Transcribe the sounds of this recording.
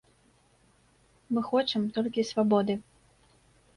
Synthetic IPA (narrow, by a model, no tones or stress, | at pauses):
mɨxɔt͡ʂɨmt̪ɔlʲkʲisvabɔd̪ɨ